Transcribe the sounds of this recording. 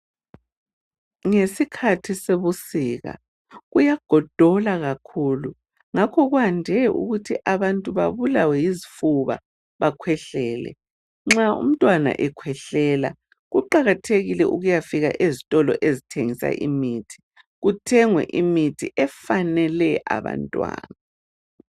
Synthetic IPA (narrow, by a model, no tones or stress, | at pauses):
ŋesikʰatʰiseβusiɣa̰ | ɣujaɡ̥ʱɔd̥ʱɔlaɣakʰulu | ŋakʰɔɣuandʱɛʔṵɣutʰiʔaβantʼuβa̰βulawɛjizifuβa̰ | βakʰwɛɬɛːlɛ̰ | ŋ͡ǁaṵm̩tʼwana̰ʔɛkʰwɛɬɛːla̰ | ɣuǃaɣatʰeɣilɛʔuɣujafiɣa̰ʔezitʼɔlɔ̰ʔezitʰeŋisa̰ʔimitʰi̥ | ɣutʰɛŋwɛ̰ʔimitʰḭʔɛfanɛlɛʔa̰βa̰ntʼwa̰ːna